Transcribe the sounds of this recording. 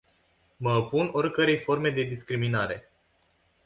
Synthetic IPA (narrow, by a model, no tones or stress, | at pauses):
məpuno̞rʲkəɾe̞jfo̞rme̞d̪e̞d̪iskɾiminaɾe̞̰